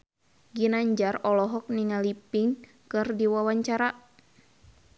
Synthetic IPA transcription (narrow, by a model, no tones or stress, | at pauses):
ɡinaɲd͡ʒarɔlɔɦɔk̚niŋalipiŋ | kɨrdiwawaɲt͡ʃaɾa